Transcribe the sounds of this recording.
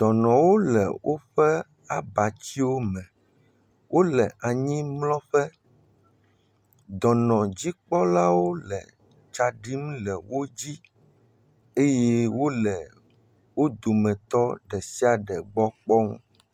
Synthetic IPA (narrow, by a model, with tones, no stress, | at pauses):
d̪̥ɔ˨nɔ̃˨wo˦lɛ̰˨wʔo˦ɸɛ˦ | a˨ba˨t͡ɕi˦wo˦mɛ̃˨ | wʔo˦lɛ˨ʔa˨ɲĩ˦mlɔ̃˦ɸɛ˦ | d̪ɔ˨nɔ̃˨d͡ʑi˦k͡pɔ˦la˦wo˦lɛ̰˨ | t͡ʃa˨ɖi˦m̃˦lɛ˨wo˦d͡ʑi˦ | e˦je˦wo˦lɛ˨ | wo˦d̪o˨mɛ̃˨t̪ɔ˦ɖɛ˨si˦a˨ɖɛ˨ɡ͡bɔ˦k͡pɔ˦ŋṵ̃˦